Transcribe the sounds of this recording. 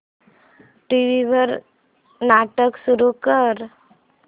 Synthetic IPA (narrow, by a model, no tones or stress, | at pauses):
ʈiʋibʱəɾ | naʈəksuɾukəɾ